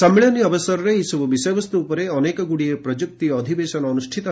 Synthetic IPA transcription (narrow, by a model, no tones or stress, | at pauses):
sɐmːiɭɐnjɐʋɐsɐɾɾeisuʋɐʋiseːʋɐst̪uːpɐɾeɐneːkɐɡuɽijepɾɐd͡ʒuk̚t̪ijɐɐd̪ʱiʋeːʃɐnɐːnuʂʈʰit̪ɐ